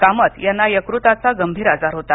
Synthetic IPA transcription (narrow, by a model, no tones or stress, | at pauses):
kamət̪janːajəkɾut̪at͡saɡəmbʱiːɾad͡zaɾɦot̪a